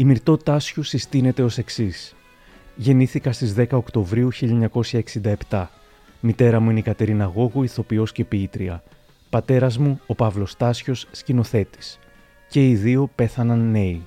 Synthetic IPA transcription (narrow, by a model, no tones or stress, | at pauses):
imiɾt̪o̞t̪ɐsçusist̪ine̞t̪e̞o̞se̞ksis | ʝe̞niθikɐst̪izðe̞kɐo̞kt̪o̞vɾiuçiʎɐeɲɐko̞sçɐeksind̪ɐept̪ɐ | mit̪e̞ɾɐmuineikɐt̪e̞ɾinɐɣo̞ɣuiθo̞pio̞sce̞piit̪ɾiɐ | pɐt̪e̞ɾɐzmuopɐvlo̞st̪ɐsço̞sːcino̞θe̞t̪i̥s | ce̞iðio̞pe̞θɐnɐnːe̞i